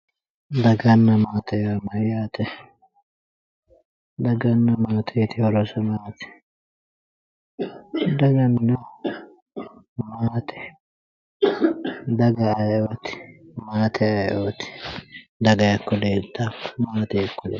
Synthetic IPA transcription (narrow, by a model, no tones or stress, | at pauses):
d̪ɐɡɐnːɐmaːt̪ɐjamɐjaːt̪ɛ | d̪ɐɡɐnːɐmaːt̪ʰɛt̪ɪhɔɾɔsɐmaːt̪ɛ̥ | d̪ɐɡɐnːɐ | maːt̪ʰɛ̥ | d̪ɐɡɐɐjot̪ɪ̥maːt̪ʰɛɐjʔoːt̪ɪ̥d̪ɐɡɐjɐkːɔd̪eːt̪ːakːmaːt̪ɛjɐkːɔd̪ḛː